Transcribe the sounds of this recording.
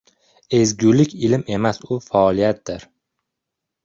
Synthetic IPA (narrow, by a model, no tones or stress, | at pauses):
e̞zɡʲulɪkʲɪlɪme̞masʊfaɒlˠijat̪̚d̪̥ɪɾ